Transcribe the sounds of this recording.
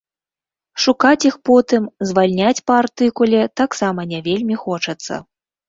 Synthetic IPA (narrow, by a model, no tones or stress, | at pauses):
ʂukat͡sʲixpɔt̪ɨmzvalʲnʲat͡sʲpɐːrt̪ɨkulʲɛt̪aksamɐnʲavʲelʲmʲixɔt͡ʂɐt̪sːɐ̰